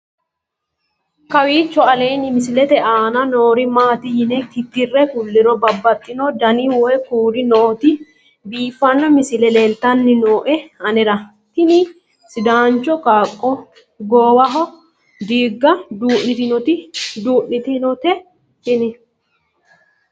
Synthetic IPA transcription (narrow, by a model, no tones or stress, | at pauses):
kɐwiːt͡ʃːɔɐle̞ːnɪmɪsɪlɛt̪ɛʔaːnɐnoːɾɪmaːt̪ɪjɪnɛkɪt̪ːɪrːɛkʊlːɪɾɔbɐbːɐt̪ʼːɪnɔd̪ɐniwɔɛkuːɾɪnoːt̪ɪ | biːfːɐnːɔmɪsɪlɛleːlt̪ɐnːɪnoːʔɛɐnɛɾɐ | t̪ɪni | sɪd̪aːnt͡ʃːɔkaːkʼːɔ | ɡoːwɐɦɔ | d̪iːɡːɐd̪uːʔnːɪt̪ɪnɔt̪ɪd̪uːʔɪt̪ɪnɔt̪ɛ | tɪnɪ